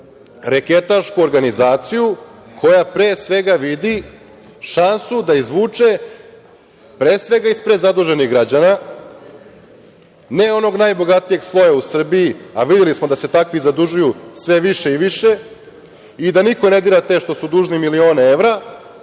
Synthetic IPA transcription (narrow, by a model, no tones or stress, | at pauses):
ɾeke̞t̪aɾʃkuo̞ɾɡanizaːt̪siju | kʰo̞japɾeːsʋe̞ɡaʋid̪i | ʃansud̪aizʋuːt͡ʂe̞ | pɾe̞ːsʋe̞ɡaispɾed̪zad̪uʒeniɣɡɾad͡ʑana | ne̞o̞no̞ɡnajbo̞ɡat̪ije̞ɡslˠo̞jausr̩biiaʋid̪je̞lismod̪ase̞t̪akʋizad̪uʒujusʋe̞ʋiʃe̞iʋiʃe | id̪aniko̞ne̞d̪iːɾat̪e̞ʃt̪o̞sud̪uːʒnimilio̞ːnee̞ʋɾa